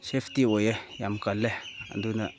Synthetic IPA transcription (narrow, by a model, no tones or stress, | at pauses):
ʃeftiwojejamkalːea̰nduna